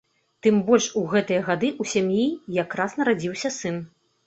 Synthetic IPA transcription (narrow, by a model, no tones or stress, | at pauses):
t̪ɨmbɔlʲʂuɣɛt̪ɨjɐɣad̪ɨʔusʲamjijakɾasnɐɾad͡zʲiwsʲɐsɨn